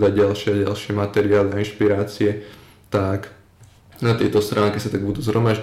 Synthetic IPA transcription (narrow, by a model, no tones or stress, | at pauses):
d̪aɟɟalʃɪɛaɟalʃɪɛmat̪ɛɾɪaːliainʃpiɾaːt͡siɛ | t̪ak | nat̪ɪɛt̪ɔst̪ɾʔaːŋkɛsat̪aɡ̚bud̪uːzɦɾɔmaʒ